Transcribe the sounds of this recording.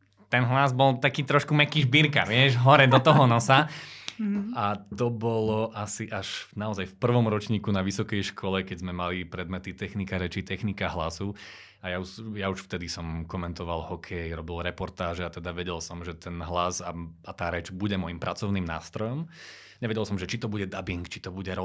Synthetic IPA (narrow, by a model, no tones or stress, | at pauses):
t̪ɛnɦlazbɔlˠt̪akiːt̪ɾɔʃkumɛkiːʒbiɾka̰ʋɪɛʒɦɔɾɛd̪ɔt̪ɔɦɔnɔsa | at̪ɔbɔlɔʔasiʔaʃnaɔzajfpr̩ʋɔmɾɔt͡ʃɲiːkunaʋisɔkɛjʃkʰɔlɛkɛɟzmɛmalipɾɛd̪mɛt̪it̪ɛxnikaɾɛt͡ʃit̪ɛxnikaɦlasu | ajaujauʃft̪ɛd̪isɔmkɔmɛnt̪ɔʋalˠhɔkʰɛjɾɔbilɾɛpɔɾt̪aːʒɛat̪ɛd̪aʋɛɟɛlsɔmʒɛt̪ɛnɦlazaat̪aːɾɛt͡ʃbuɟɛmɔjimpɾʔat͡sɔʊniːmna̰ːst̪ɾɔjɔm | ɲɛʋɛɟɛlˠsɔmʒɛt͡ʃit̪ɔbuɟɛd̪abiŋkt͡ʃit̪ɔbuɟɛɾɔ